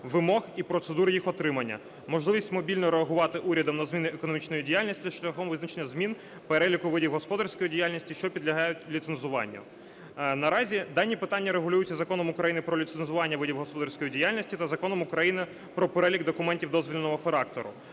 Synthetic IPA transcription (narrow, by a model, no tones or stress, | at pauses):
ʋɪmɔxipɾɔt̪sed̪uɾɪjixɔt̪ɾɪmɐnʲːɐ̰ | mɔʒlˠɪʋʲisʲtʲmɔbʲilʲnɔɾeɐɦʊʋɑt̪ɪʔuɾʲɐd̪ɔmnɐzmʲinɪekɔnɔmʲit͡ʃnɔjidʲijalʲnʲisʲtʲʃlʲɐxɔmʋɪznɐt͡ʃenʲːɐzmʲin | peɾɛlʲikʊʋɪdʲiwɦɔspɔd̪ɐɾsʲkɔjidʲijalʲnʲisʲtʲiʃt͡ʃɔpʲid̪lʲɐɦɑjʊtʲlʲit̪senzʊʋɑ̰nʲːɐ̰ | nɐɾɑzʲid̪ɑnʲipɪt̪ɑnʲːɐɾeɦʊlʲujʊt͡sʲːɐzɐkɔnɔmʊkɾɐjinɪpɾɔlʲit̪senzʊʋɑnʲːɐʋɪdʲiwɦɔspɔd̪ɐɾsʲkɔjidʲijalʲnʲisʲtʲit̪ɐzɐkɔnɔmʊkɾɐjinɪ | pɾɔpeɾɛlʲiɡd̪ɔkʊmɛnʲtʲiwd̪ɔzʋʲilʲnɔɦɔxɐɾɑkt̪ɔɾʊ̰